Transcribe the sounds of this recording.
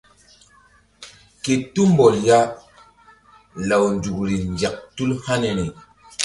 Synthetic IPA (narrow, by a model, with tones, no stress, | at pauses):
ke˨tu˦mbɔ˨lja˦ | la˨wnd͡ʒu˨kɾi˨nd͡ʒa˨k̚tu˦lha˦ne˨ni˨